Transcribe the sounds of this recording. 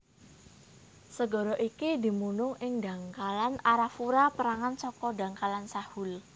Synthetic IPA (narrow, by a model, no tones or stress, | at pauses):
səɡɔ̤ɾɔʔikid̪i̤munʊŋɪŋd̪ä̤ŋkalanaɾafuɾapəɾaŋansɔkɔda̤ŋkalansahʊl